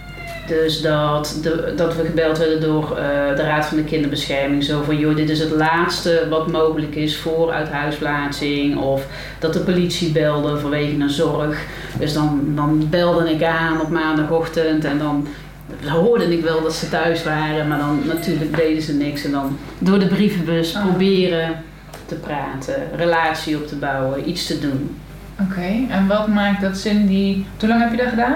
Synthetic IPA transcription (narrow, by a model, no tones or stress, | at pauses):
d̥øsdɑtədɑtʋəɣəbɛlˠtʋɛɹdəndʊːrdəraːtfɑndəkɪndərbəsxɛrmɪŋzowvɔnjodɪtɪs̬ɦətlaːtstəʋɑtmoːɣələkɪsfʊːrœ̰ɥtɦœɥsplaːtsɪŋɔf | d̥ɑt̚dəpolitsibɛlˠdəvoːɹʋejɣənənzɔrəx | døsdɑndɑnbɛlˠdənɪkaːnɔpmaːndɑxɔxtəntɛndɑn | əɦoːɹdənɪkʋɛlˠdɑtsətœɥsʋaːrəmaːɹdɑnːatyːɹlək̚dejdəzənɪksɛndɑn | dʊːɹdəbrifəbɵsprobɪːrə | təpraːtʰərəlaːtsiɔp̚tʰəbɑwəʔitstədun | okʰejɛnʋɛlˠkmaːk̚dɑtsɪnditulɑŋɦɛpjədɔχədaːn